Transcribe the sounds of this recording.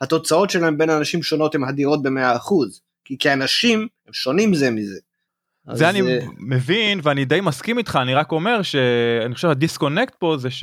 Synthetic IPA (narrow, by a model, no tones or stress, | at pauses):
hat̪o̞t͡sao̞tʃelaembe̞nanaʃimʃo̞no̞t̪hemhad̪iʁo̞t̚be̞meaːχuz | kikeanaʃimhemʃo̞nimzemize | zeanime̞vinveanid̪ejmaskimit̪χaːniʁako̞me̞ʁʃe̞aniχoʃehadisko̞nekt̪̚po̞zeʃ